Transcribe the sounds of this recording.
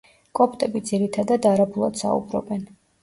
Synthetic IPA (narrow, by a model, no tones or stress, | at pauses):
kʼɔpt̪ʼɛbid̪ziɾit̪ʰad̪ad̪aɾabulˠa̰d̪̥sa̰ṵbɾɔ̰bɛn